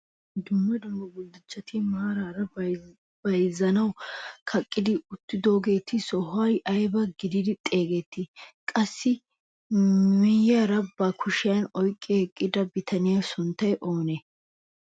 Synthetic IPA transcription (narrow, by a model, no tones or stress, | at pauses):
d̪ʊmːɐd̪ʊmːɐbʊld̪ɪt͡ʃːɐt̪ʰɪmaːɾaːɾɐ | b̥ɐjzɐnɐwkʰɐkʼːɪd̪ɪʊt̪ːɪd̪o̞ːɡe̞ːt̪ɪsɔɦʊɐjʔɐjbɐɡɪd̪ɪd̪ɪt̪ʼe̞ːɡɛt̪ːɪkʼɐsːɪ | mɪjːɐɾɐbɐkʰʊʃɪjɐnɔjkʼːɛɛkʼːɪd̪ɐbɪt̪ʰɐnɪjɐsʊnt̪ːɐjʔo̞ːne